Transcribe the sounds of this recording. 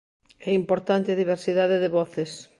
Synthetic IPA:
ɛimpoɾt̪ant̪ɪɐðiβ̞eɾsiðaðeðeβɔθes

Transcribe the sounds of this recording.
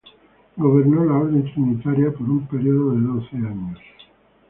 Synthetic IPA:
ɡoβernɔlaoɾd̪ent̪ɾinit̪aɾjapeɾumpeɾioðod̪ed̪onseaɲːos

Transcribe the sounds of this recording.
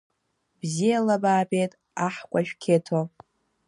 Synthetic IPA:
b̥zijalabaːbʼejtʼ | aħkʷʼaʃᶣkʲʰetʰo

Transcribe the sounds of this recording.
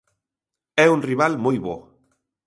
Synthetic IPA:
ɛunriβalmojβo

